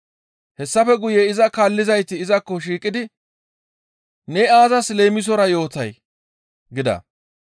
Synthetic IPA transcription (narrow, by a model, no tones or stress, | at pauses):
hɛsːɐfɛɡʊjɛɪzɐkaːlːɪzɐjt̪ːɪːzɐkːɔʃiːkʼːɪd̪ɪ | nɛaːzɐsleːmɪs̬ɔɾɐjo̞ːt̪ɐj | ɡɪd̪ɐ̰